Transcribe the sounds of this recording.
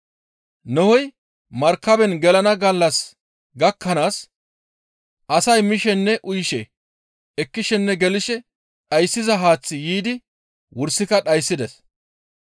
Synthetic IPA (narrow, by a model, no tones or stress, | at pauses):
nɔhɔj | mɐɾkːɐbɛnɡɛlɐnɐɡɐlːɐs | ɡɐkːɐnaːs | ʔɐsɐjmɪʃɛnːɛʔʊjʃɛ | ɛkːɪʃɛnːɛɡɛlɪʃɛ | ɗɐjsːɪzɐɦaːt͡sːɪjiːd̪ɪ | wʊɾsːɪkɐɗɐjsːɪd̪ɛs